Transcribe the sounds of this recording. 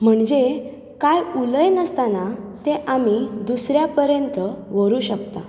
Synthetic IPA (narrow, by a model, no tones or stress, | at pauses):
m̤əɳd͡ʑe | kajuləjnəst̪anat̪eʔamid̪usɾjapəɾjənt̪əʋəɾuːɕəkt̪a